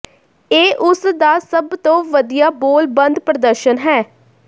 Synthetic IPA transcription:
eːʔʊsd̪aːsəbt̪õːʋəd̪ijaːboːlbənd̪pɾəd̪əɾʃənɦɛː

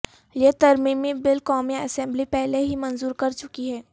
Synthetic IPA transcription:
jet̪ɐɾmiːmibɪlkɔːmiaəsɛ̃mblipɛɦleɦimɐ̃nzuːɾkɐɾt͡ʃʊkiɦɛː

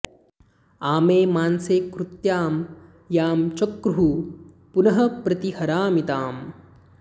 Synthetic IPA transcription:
aːmeːmaːnseːkɾut̪jaːm | jaːmt͡ʃɐkɾuɦu | punɐɦɐpɾɐt̪ihɐɾaːmit̪aːm

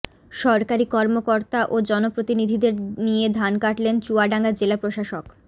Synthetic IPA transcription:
ʃɔɾkaɾikɔɾmokoɾt̪aʔod͡ʑɔnopɾot̪inid̪ʱid̪eɾnijed̪ʱankaʈlent͡ɕuaɖaŋɡad͡ʑelapɾoʃaʃok

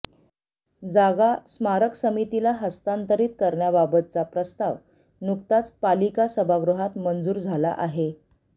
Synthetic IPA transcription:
d͡zaɡasmaɾəksəmit̪ilaɦəst̪ant̪əɾiːt̪̚kəɾɳjababət̪t͡sapɾəst̪aʋ | nuk̚t̪at͡spalikasəbʱaɡɾuɦat̪mənd͡zuːɾd͡zʱala̰ʔaɦe

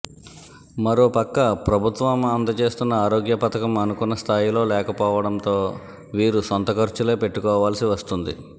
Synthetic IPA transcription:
mɐɾo̞ːpɐkːɐpɾɐbʱut̪ʋɐmɐnd̪ɐt͡ʃe̞ːst̪unːɐaːɾoːɡjɐpɐt̪ɐkɐmɐnukunːɐst̪ʰaːjilo̞ːlɛːkɐpɔːʋɐɽɐnt̪o̞ː | ʋiːɾusont̪ɐkɐɾt͡ʃule̞ːpe̞ʈːukɔːʋaːlɐsiʋɐst̪und̪ḭ

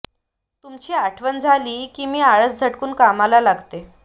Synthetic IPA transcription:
t̪umt͡ɕiːaʈʰʋənd͡zʱaliːkiːmiːaɭət͡sd͡zʱəʈkuːnkamalalaɡt̪e

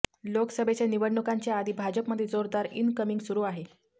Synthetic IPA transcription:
loksəbʱet͡ɕeniʋəɽɳukaɲt͡ɕjaad̪iːbʱad͡ʑəpməd̪ʱːjed͡zoɾd̪aɾḭnkəmiŋɡsuɾuːaɦe

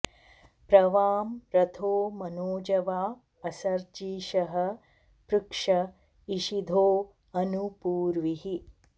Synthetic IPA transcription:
pɾɐʋaːmɾɐt̪ʰoːmɐnoːd͡ʒɐʋaː | ɐsɐɾd͡ʒiːʃɐɦɐ̆ | pɾukʂɐ | iʃid̪ʱoː | ɐnupuːɾʋiɦi

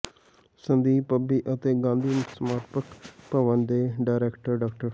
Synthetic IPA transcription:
sə̃nd̪iːpəbiːʔət̪eːɡãːnd̪iːnsmaːɾʈpəkpəʋənd̪eːɖaːɾɛːkʈəɾɖaːk̚ʈəɾ

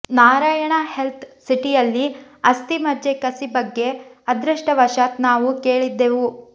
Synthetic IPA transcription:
naːɾaːjɐɳɐhelt̪ʰsiʈijɐlːi | ɐst̪imɐd͡ʒekɐsibɐɡːe̞ɐd̪ɾɐʂʈɐʋɐʃaːt̪naːʋuke̞ːɭid̪ːeʋu

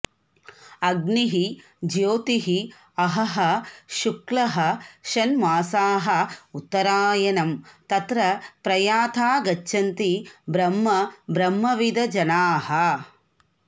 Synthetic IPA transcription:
ɐɡniɦi | d͡ʒjoːt̪iɦi | ɐɦɐɦɐʃuklɐɦɐ̆ʃɐnmaːsaːɦɐ̆ut̪ːɐɾaːjɐnɐmt̪ɐt̪ɾɐpɾɐjaːt̪ʰaːɡɐt͡ʃːʃʰɐnt̪ibɾɐmːɐbɾɐmːɐʋid̪ɐd͡ʒɐnaːɦɐ

